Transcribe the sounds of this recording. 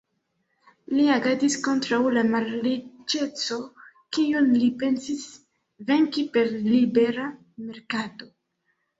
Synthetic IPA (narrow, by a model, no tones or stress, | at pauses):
liaɡatisko̞ntɾawlamaɾlit͡ʃe̞t͡so̞ | kionlipe̞nsis | ve̞ŋkipe̞ɾlibe̞ɾa | me̞ɾkato̞